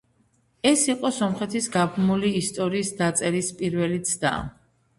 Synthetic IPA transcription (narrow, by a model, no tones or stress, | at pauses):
ɛsiqʼɔsɔmχɛt̪ʰisɡabmuliːst̪ʼɔɾiːsd̪at̪sʼɛɾispʼiɾvɛlit̪sʰd̪a̰